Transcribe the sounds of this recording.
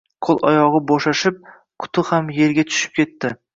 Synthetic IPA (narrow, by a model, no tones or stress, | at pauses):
qʰolˠʔɒ̰jɒʁɨboʃaʃɪp̚ | kʰʊ̥t̪ʰɪhamje̞ɾɡʲat̪ʰʊ̥ʃɪ̥p̚kʲʰe̞t̪ːɪ